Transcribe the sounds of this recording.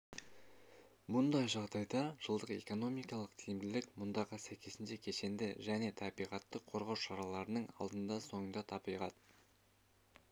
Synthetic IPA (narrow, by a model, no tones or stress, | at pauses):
mʊnd̪ɑjʒɑʁd̪ɑjd̪ɑʒ̥əlˠd̪əqe̞̰ko̞no̞mijkɑlˠəqt̪ʰɪj̪ɪmd̪ɪlɪkmʊnd̪ɑʁəsæjkʲe̞sɪnʃe̞kʲʰe̞ʃe̞nd̪ɪʒæne̞t̪ʰɑbijʁɑt̪ːəqʰːo̞ɾʁɑwʃɑɾɑlˠɑɾənəɴɑ̰lˠd̪ənd̪ɑso̞ɴənd̪ɑt̪ʰɑbijʁɑt̪